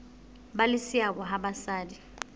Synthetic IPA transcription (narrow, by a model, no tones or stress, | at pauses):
ɓalɪsiak̬ɔɦaɓasaːdi